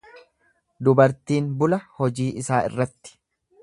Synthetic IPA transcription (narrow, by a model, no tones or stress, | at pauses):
d̪ʊbɐɾt̪iːnbʊlɐhɔd͡ʒiːʔɪsaːɪ̰rːɐt̪ːɪ̥